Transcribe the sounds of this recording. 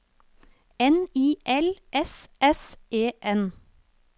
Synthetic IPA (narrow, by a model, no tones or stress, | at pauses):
ɛniːʔɛlʔɛsɛseːʔɛn